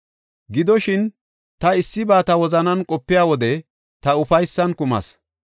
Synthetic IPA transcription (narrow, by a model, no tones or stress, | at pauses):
ɡɪd̪ɔʃɪn | t̪ɐɪsːɪbaːt̪ɐwɔzɐnɐnkʼɔpːɪjaːwɔd̪ɛ | t̪ɐʊfɐjsːɐnkʊmɐ̰s